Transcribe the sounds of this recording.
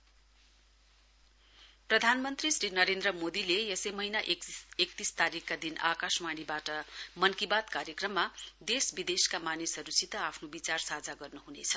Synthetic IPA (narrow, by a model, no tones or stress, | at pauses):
prʌd̪ʱanmʌnt̪risrinʌɾend̪ɾrʌmod̪ilejʌsejmʌɦinaʔekt̪ist̪aɾikːad̪ina̰kasmaɽ̃ibaʈʌmʌnkibat̪kaɾjekrʌmːad̪esbid̪eskamanisʌɾusit̪ʌapʰnobit͡sarsad͡zaɡʌrnuɦunet͡sʰʌ̥